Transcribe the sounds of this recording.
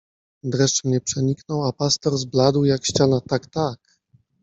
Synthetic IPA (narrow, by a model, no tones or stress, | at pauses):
d̪ɾɛʂtmɲɛpʂɛɲiknɔwapast̪ɛɾzblad̪wjakɕt͡ɕanat̪akt̪ak